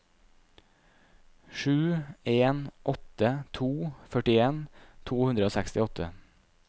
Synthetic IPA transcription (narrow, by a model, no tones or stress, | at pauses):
ʃʉːeːnʔɔt̪ət̪ʰuːfœʈɪeːnt̪ʰuːhʉnd̪ɾəoːsækst̪ɪɔt̪ʰə